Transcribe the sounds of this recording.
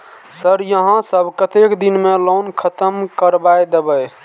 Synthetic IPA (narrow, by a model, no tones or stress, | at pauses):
səɾjəɦãsəbʱkət̪ekd̪inmelonkʰət̪əmkəɾbajd̪ebəj